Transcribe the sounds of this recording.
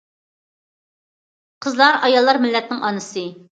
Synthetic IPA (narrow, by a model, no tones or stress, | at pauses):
qʰəzlˠɑɾɑjɑlˠːɑɾmɪlːɛt̪nɪŋʔɑnɨsɨ